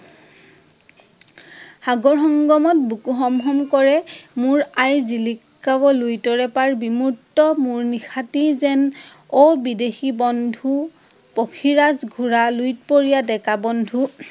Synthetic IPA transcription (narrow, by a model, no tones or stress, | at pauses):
haɡɔɹxɔŋɡɔmɔt̚bukuɦɔmɦɔmkɔɹɛmʊɹajzilikːabɔlujtɔɹɛpaɹbimuɹtːɔmuɹnixʰatizɛn | ɔbidexibɔndʱu | pokʰiɹazɡʱuɹalujt̚poɹijadɛkabɔndʱu